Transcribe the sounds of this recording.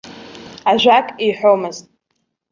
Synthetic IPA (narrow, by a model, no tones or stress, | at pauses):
aʒʷᶣakʼiħʷᶣomɨztʼ